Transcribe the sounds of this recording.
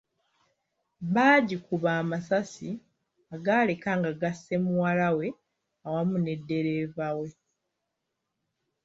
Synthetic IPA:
βaːɟikuβaːmasasi | aɡaːle̞kaŋɡaɡasːe̞muwalawe̞ | awamune̞dːe̞ɾe̞ːvawe̞

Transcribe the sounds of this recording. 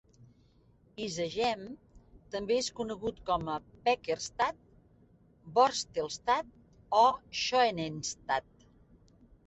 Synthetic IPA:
izəʒɛmt̪əmbeeskunəɣut̪kɔməpɛkeɾst̪at̪̚ | bɔɾst̪elˠst̪at̪̚ | ɔʃoenenst̪at̪̚

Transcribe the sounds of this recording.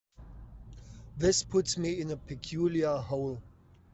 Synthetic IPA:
ðɪspʰʊtsmiɪ̃nəpʰɨkʰj̥uljəhoʊlˠ

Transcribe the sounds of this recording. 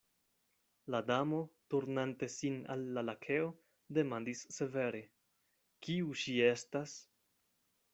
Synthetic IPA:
ladamo̞tuɾnante̞sina̰lːalakʰe̞o̞ | de̞mandisːe̞ve̞ɾe̞ | kiuʃie̞stas

